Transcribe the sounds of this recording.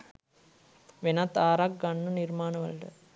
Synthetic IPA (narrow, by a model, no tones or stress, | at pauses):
ʋenat̪aːɾak̚ɡanːənirmaːnəʋə̰ɭʈə̰